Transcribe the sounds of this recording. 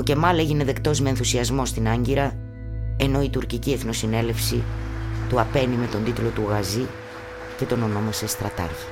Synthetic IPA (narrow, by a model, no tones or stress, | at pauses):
o̞ce̞mɐle̞ʝine̞ðe̞kt̪o̞zme̞ːnθusiɐzmo̞st̪inɐɲɟiɾɐ | e̞no̞it̪uɾcicie̞θno̞sine̞le̞fsit̪uɐpe̞nime̞t̪o̞nd̪it̪lo̞t̪uɣɐzi | ce̞t̪o̞no̞no̞mɐsest̪ɾɐt̪ɐ̰ɾçi̥